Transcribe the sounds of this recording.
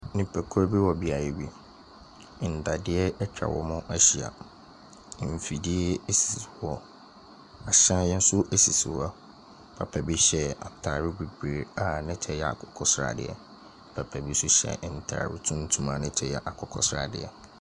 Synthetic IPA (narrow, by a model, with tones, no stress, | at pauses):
nɪ̃˨pʰɛ˨kʰʊ˦ɾbi˦wɔ˨bi˨a˨ɾɛ˨bi˦˨ | n̩˨da˨dɪ˦ɛ˦ɛ˦t͡ɕʰᶣa̰˨wɔ̰˦mʊ̃˦ʔa˦ɕi˨a̰˨ | m˨fi˨di˦ɛ˦e˦si˨wɔ˨ | a˨ɕã˦jɛ̃˦n˦sʊ˦ʔe˦si˨si˨wa˦ | pʰa̰˨pʰɛ˨bi˦ɕɛ˦a̰˨tʰaː˨ɾɪ˦bi˨be˨a˨nɪ̃˦t͡ɕʰɛ˦jɛ˨a̰˨kʰɔ˨kʰɔ˦sɾa̰˨dɪ̰˨ɛ̰˨ | pʰa˨pʰɛ˨bi˦sʊ˦ɕɛ̰˨n̩˨tʰa̰ː˨ɾɪ̰˦tʰũ˦n˦tʰũ˦mã˦˨nɪ̃˦t͡ɕʰɛ˦jɛ˦ʔa˨kʰɔ˨kʰɔ̰˦sɾa̰˨dɪ̰˨ɛ̰˨